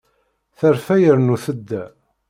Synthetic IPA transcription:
θəɾfæjəɾnuθəd̪ːæ

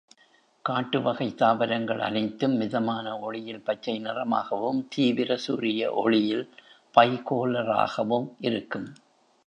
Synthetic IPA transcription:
kaːʈːɯʋɐɣɐɪt̪ːaːʋɐɾɐŋɡɐɭʔɐ̰nɪt̪ːɯmːɪðɐmaːnɐɔɻɪjɪlpɐt͡ʃːɐɪnɪrɐma̰ːɣɐʋɯmt̪iːʋɪɾɐsuːɾɪjɐ̰ʔɔ̰ɻɪjɪlpɐɪkoːlɐɾa̰ːɣɐʋɯmʔɪɾɯkːɯm

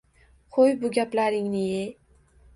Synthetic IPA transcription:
χʰojbʊɡʲaplaɾɪŋnɪje

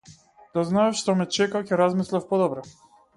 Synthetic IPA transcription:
d̪̥aznaɛfʃt̪ɔmɛt͡ʃɛkacɛɾazmislʲɛfpɔd̪ɔbɾɔ

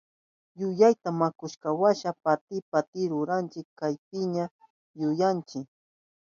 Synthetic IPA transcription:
jʊjajt̪amakʊʃkawaʃapat̪ɪpat̪ɪɾʊɾant͡ʃɪkːajp̚ɪɲa | jʊjant͡ʃɪk

